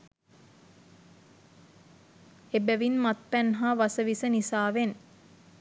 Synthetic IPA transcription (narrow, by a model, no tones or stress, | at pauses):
ebæʋinmat̪̚pænɦaʋasəʋisənisaːʋen